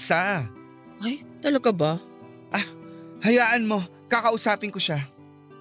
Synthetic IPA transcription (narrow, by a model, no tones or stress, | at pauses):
sa | ʔɐjt̪ɐlɐɡaba | ʔahɐjaːʔɐnmo̞ | kakɐʔʊsaːpɪnkoʃa